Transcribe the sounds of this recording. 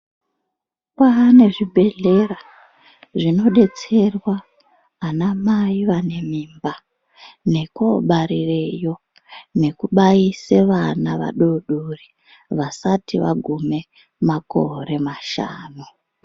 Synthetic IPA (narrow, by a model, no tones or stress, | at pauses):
kane̞ʐibʱe̞ɮe̞ra | ʐino̞ɗe̞t͡se̞rwa | anamaiʋane̞mimba | ne̞ko̞ɓaɾirejo̞ | ne̞kuɓaise̞ʋanaʋa̰ɗoɗuri | ʋasatiʋa̰ɡʱume̞ | mako̞̰ɾe̞maʃa̰ːnu